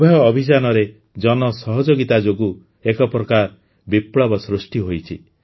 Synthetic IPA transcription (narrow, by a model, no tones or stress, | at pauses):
bʱɔjɔːbʱid͡ʒanɔɾe | d͡ʒɔnɔsɔɦɔd͡ʒoɡit̪ad͡ʒoɡu | ekɔpɾɔkaɾ | bipɭɔbɔsɾusʈiɦojt͡ʃʰḭ